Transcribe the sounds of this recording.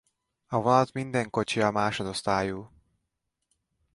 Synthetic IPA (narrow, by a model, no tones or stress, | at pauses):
ɒvɒlt̪mind̪ɛŋko̞t͡ʃiɒmaːʃo̞d̪o̞st̪aːjuː